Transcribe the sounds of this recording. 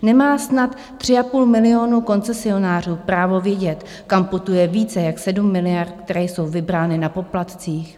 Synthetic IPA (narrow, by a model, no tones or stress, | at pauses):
nɛmaːsnat̪ː | r̝̥ɪapuːlmɪlɪo̞nuko̞nt͡sɛsɪo̞naːr̝uːpɾaːvo̞vjɛɟɛt̪ | kampot̪ujɛviːt͡sɛjaksɛdumːɪlɪjart̪̚kt̪ɛɾɛjso̞wvɪbɾaːnɪnapo̞plat̪t͡siːx